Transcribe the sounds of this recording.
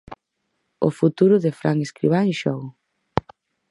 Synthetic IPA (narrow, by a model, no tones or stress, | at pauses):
ʊ̰fut̪uɾʊðɪfɾaŋeskɾḭβanʃɔɣ